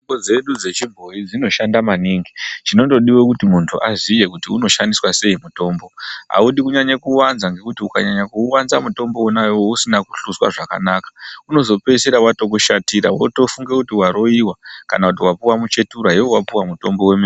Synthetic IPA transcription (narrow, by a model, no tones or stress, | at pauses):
ŋod͡ze̞ɗud͡ze̞t͡ʃibʱo̞id͡zino̞ʃandamaniːŋɡit͡ʃino̞to̞ɗiwo̞kutimuntʰuʔazije̞k̬utiuno̞ʃandiswase̞imuto̞ːmbo̞ɦa̰uɗikuɲaɲekuwanzaŋɡe̞kutiukaɲaɲakuwanzamuto̞mbo̞wonajowousinakuɬuswa̰ʐaka̰nakḁuno̞zo̞peseɾawato̞k̬uʃatiɾawo̰to̞fuŋɡekutiwaɾo̞iwaka̰nakut̬iwapuwamut͡ʃe̞tuɾaewowapuwamuto̞mbo̞weme